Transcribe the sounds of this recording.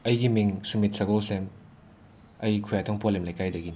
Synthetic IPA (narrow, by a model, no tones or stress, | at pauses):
ɐjɡimiŋsumit̚sɐɡɔlsem | ɐjkʰujatʰɔŋpolemlajkajdɐɡin